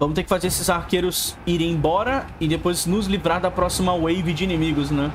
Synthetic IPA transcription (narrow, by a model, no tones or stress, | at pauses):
vɐ̃mʊt̪eɾkɪ̥fazeɾesɪzaɾkeɾʊsiɾẽj̃ẽbɔɾɐɪd̪epojznʊzlivɾaɾd̪ɐpɾɔsimɐwejvɪd͡ʒɪinimiɡʊz̬nɛ̃